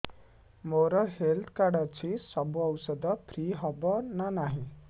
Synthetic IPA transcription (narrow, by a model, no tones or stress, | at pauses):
moɾɔɦelt̪ʰkaɽat͡ɕisɔbuɔwsɔd̪ɔpʰɾiɦɔbɔnanaɦĩ